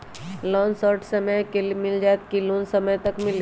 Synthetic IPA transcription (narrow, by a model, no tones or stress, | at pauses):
lɔːnsɔːɾʈʰsɐməjkemɪld͡ʒaːet̪̚kiloːnsɐməjt̪ɐkmɪl